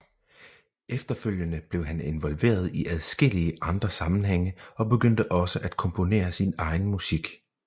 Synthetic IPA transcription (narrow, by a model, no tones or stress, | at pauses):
efd̥ɐføl̰jənəb̥le̝ʊɦæne̝nʋɒ̽lʋe̝̰ːɐð̞ˠiʔæð̞ˠsɡ̥e̝l̰iəʔɑ̈nd̥ʁɐsɑ̈mn̩ɦeŋ̰əɒ̽b̥e̝ɡ̥øn̰d̥əʔɒ̽səʔæd̥̚kʰɒ̽mpʰo̝ne̝̰ːɐsinɑ̈ɪn̩musiɡ̥